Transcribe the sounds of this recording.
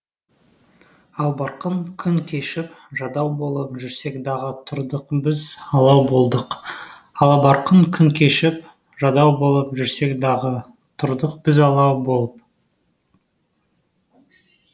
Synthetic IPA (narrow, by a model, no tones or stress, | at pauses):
ɑlˠbɑɾqəŋkʲʰʏŋkʲʰe̞ʃɪp | ʒɑd̪ɑwbo̞lˠəpʒʏɾse̞kd̪ɑʁət̪ʰʊɾd̪əqbɪzɑlˠɑwbo̞lˠd̪əq | ɑlˠbɑɾqəŋkʲʰʏŋkʲʰe̞ʃɪp̚ | ʒɑd̪ɑwbo̞lˠəpʒʏɾse̞kd̪ɑʁə | t̪ʰʊɾd̪əqb̥ɪzɑlˠɑwbo̞lˠəp̚